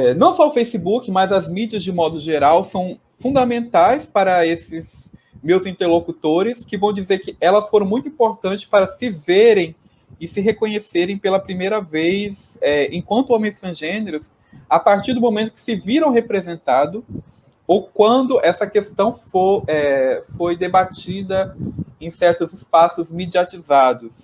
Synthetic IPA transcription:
ɛnɐ̃w̃sɔʊfejsibukɪmɐzɐzmid͡ʒiɐzd͡ʒɪmɔd̪ʊʒeɾawsɐ̃w̃ | fũnd̪amẽnt̪ajspaɾɐesɪz | mewzĩnt̪eɾlokut̪oɾɪskɪvɐ̃w̃d͡ʒizeɾkɪɛlɐsfoɾɐ̃ũj̃t̪uĩpoɾt̪ɐ̃nt͡ʃɪ̥spaɾɐsɪveɾẽj̃ | ɪsɪɦekõɲeseɾẽj̃pelɐpɾimejɾɐvejz | ɛẽkwɐ̃nt̪ʊõmẽj̃st̪ɾɐ̃ʒẽneɾʊs | apaɾt͡ʃiɾd̪ʊmõmẽnt̪ʊ̥kɪ̥sɪviɾɐ̃w̃ɦepɾezẽnt̪ad̪ʊ | owkwɐ̃nd̪ʊʔɛsɐkest̪ɐ̃w̃foɛfojd̪ebat͡ʃid̪ɐẽj̃sɛɾt̪ʊzɪspasʊzmed͡ʒiat͡ʃizad̪ʊs

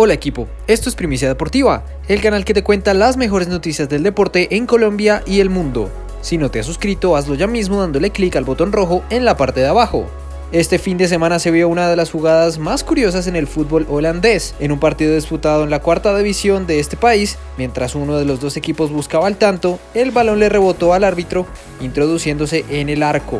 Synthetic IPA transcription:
o̞lae̞kipo̞ | e̞st̪o̞e̞spɾimis̬jaðepo̞ɾt̪iβa | e̞lkanalke̞t̪e̞kwe̞nt̪alazme̞xo̞ɾe̞zno̞t̪isjazðe̞ld̪e̞po̞ɾt̪e̞ʔeŋko̞lo̞mbjaʔie̞lmũnd̪o̞̰ | sino̞t̪e̞as̬uskɾit̪o̞azlo̞ʝamizmoðand̪ole̞klikalbo̞t̪o̞nro̞xo̞e̞nlapaɾt̪e̞ðeaβaxo̞̰ | e̞st̪e̞find̪e̞s̬e̞mãnase̞βjo̞unaðe̞lasxuɣaðazmaskuɾjo̞s̬as̬e̞ne̞lfut̪̚bo̞lʔoland̪e̞se̞numpaɾt̪iðo̞ðisput̪aðoe̞nlakwaɾt̪aðiβisjo̞nd̪e̞est̪e̞pais | mje̞nt̪ɾasuno̞ð̞e̞lo̞zd̪o̞se̞kipo̞zbuskaβaːlt̪ant̪o̞e̞lβalo̞nle̞re̞βo̞t̪o̞alaɾβit̪ɾo̞ | int̪ɾo̞ðusje̞nd̪o̞se̞ʔene̞laɾko̞̰

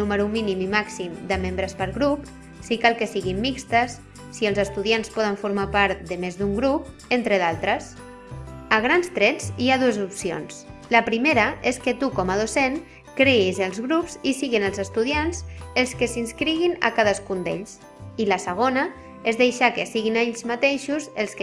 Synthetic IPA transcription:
uməɾuminimimaksimd̪əmembɾəspəɾɣɾup | sikalˠkəsiɣimːikst̪əsː | iəlˠzəst̪uðianspɔð̞əɱfuɾmapaɾt̪d̪əmezd̪uŋɡɾup̚ | ent̪ɾəðalˠt̪ɾəs | əɣ̞ɾanst̪ɾɛziaðuəzupsio̰nsləpɾimeɾəeskət̪ukɔməð̞oseŋ | kɾeizəlˠzɣɾupzisiɣinəlˠzəst̪uðianz̥elˠskəsinskɾiɣ̞inə̰kaðəskund̪ḛʎs | iləsəɣ̞onə | ezðejʃakəsiɣineʎzmat̪eʃuzelˠsk

